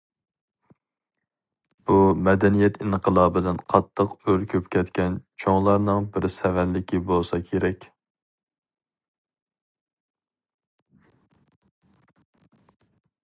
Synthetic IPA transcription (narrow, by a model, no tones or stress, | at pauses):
b̥umɛd̪ɛnijɛt̪inqʰəlˠɑːbɪd̪ɛnqʰɑt̪ʰːəqøɾkʲʰøpkʲʰɛt̪kʲɛnt͡ʃʰoŋlˠɑɾnɨŋbɪɾsɛvɛnlɪkʲibolˠsɑkʲʰeɾɛkʲ